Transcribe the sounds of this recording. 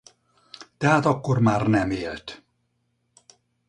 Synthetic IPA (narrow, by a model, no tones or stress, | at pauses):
t̪ɛɦæt̪ɒkːormaːrnɛmelt̪